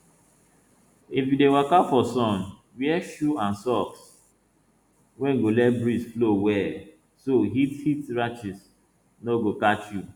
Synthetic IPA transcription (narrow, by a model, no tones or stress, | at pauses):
ifjudewakafɔsɔ̃n | wɛʃuãnsɔks | wɛ̃ŋɡolɛt̚bɹisflowɛ | soɦithitɹat͡ʃis | noɡokat͡ʃju